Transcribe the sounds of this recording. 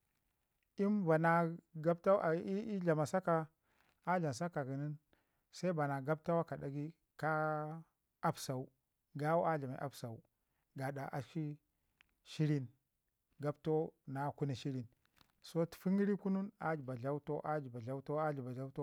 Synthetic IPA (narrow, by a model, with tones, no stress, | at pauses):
i˦mba˨na˨ɡa˦bta˦˨˦i˦ɮa˨ma˨sa˦ka˨ | a˦ɮa˨m˨s̬a˦ka˨ɡi˨ni˦n | sa˦i˦ba˨na˨ɡa˦b̚ta˦wa˦ka˨da˨ɡi˦ | ka˦ | a˦bsa˨u˦ | ɡa˦wu˦a˦ɮa˨ma˨˦ʔa̰˦bsa˨u˨ | ɡa˨ɗa˨ʔa˨ʃi˦ | ʃi˦ɾi˦n | ɡa˦bto˦na˨ku˦ni˨ʃi˦ɾi˦˨n | so˦tfi˦ŋi˦ɾi˦ku˦nu˦na˦d͡ʒi˨ba˨ɮa˦wu˦to˦ʔa˦d͡ʒi˨ba˨ɮa˦wu˦to˦a˦ɮi˨ba˨ɮa˦u˦to˦